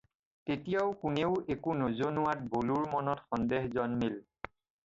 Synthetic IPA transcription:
tetijaʊkuneʊekunozonʊwat̚boluɹmɔnɔtxɔndeɦzɔnmil

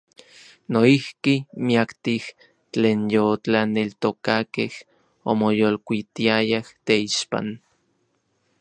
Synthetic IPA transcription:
noihkimiakt̪ih | t͡ɬeːnjot͡ɬanelt̪okakeh | o̰mojolkʷit̪iajaht̪eiʃpa̰n

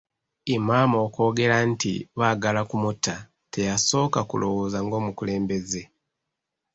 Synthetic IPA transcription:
imaːmo̞ːko̞ːɡe̞ɾantḭβaɡalakumuta | te̞jaso̞ːkakṵlo̞wozaŋɡo̞ːmukule̞ːmbe̞ze̞

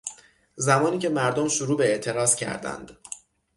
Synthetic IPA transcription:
zæmɒːniːcʰe̞mæɾd̪omʃuɾuːbe̞eʔt̪ʰe̞ɾɒːzcʰæ̰ɾd̪æ̰nd̪̥

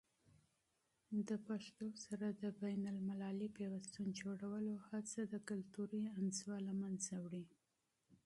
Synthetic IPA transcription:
d̪əpaʂt̪osaɾad̪əbajnalmalɑlipewast̪und͡ʒoɽawəlohat͡sad̪əkʊlt̪uɾianzwɑlamanzawɽi

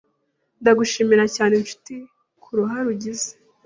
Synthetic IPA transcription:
ndaɡuʃiːmiɾacaːnenʃu̥ti | kʰuɾuɦaɾuɟize̥

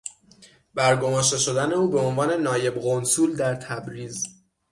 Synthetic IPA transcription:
bæɾɡo̞mɒːʃt̪e̞ʃo̞d̪æne̞uːbe̞onvɒːne̞nɒːje̞bɣo̞nsuːld̪æɾt̪ʰæbɾiːz

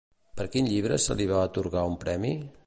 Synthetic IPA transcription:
pəɾkinʎiβ̞ɾəsə̰liβ̞aːt̪uɾɣaumpɾɛmi

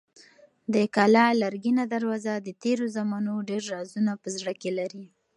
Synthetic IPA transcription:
d̪əkalɑlaɾɡinad̪aɾwɑzad̪ət̪eɾozamɑnoɖeɾːɑzunapəzɽəkelaɾi

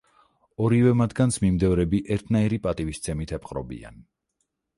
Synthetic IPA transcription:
ɔɾivɛmat̪ʰɡant̪sʰmimd̪ɛvɾɛbiʔɛɾt̪ʰnaiɾipʼat̪ʼivist̪sʰɛmit̪ʰɛpʰχʼɾɔbḭa̰n

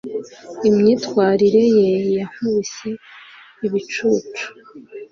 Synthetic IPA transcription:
imɲiːtwaːɾiɾe̞jejam̥uise | iβit͡ʃuːt͡ʃu̥

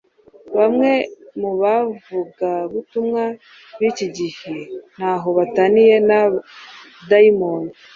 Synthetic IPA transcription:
βamŋe̞muβavuɡaβutumŋa | βiciɟihen̥haɦo̞βatanije̞na | daimoːno

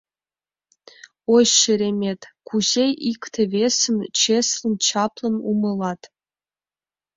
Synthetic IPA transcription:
oɕʃəɾemʲetʰkʰʷuzejikt̪ʰevesɨmt͡ʃʰeslɨnt͡ʃʰɑpʰlənumɨlɑtʰ

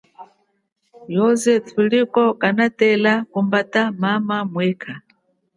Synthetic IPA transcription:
jɔzɛtulikɔkanatɛlakumbatamamamwɛːkʰa

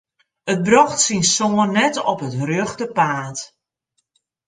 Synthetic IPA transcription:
ət̚brɔxtsinsoːənɛtɔpɦətrøxtəpaːt

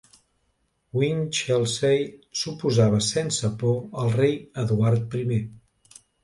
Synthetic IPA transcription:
wint͡ʃɛlˠsejsupuzaβəsensəpoəlˠrejəðuaɾt̪̚pɾime

